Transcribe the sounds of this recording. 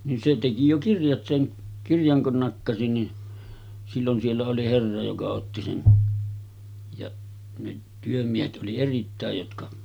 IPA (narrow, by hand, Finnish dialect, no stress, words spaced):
nin se teki jo kirjɑt seŋ kirjɑŋ kun nɑkːɑsi ni silːon sielːæ oli herːɑ jokɑ otːi sen jɑʔ ne tyømiehet ʔoli eritːæˑej jotkɑ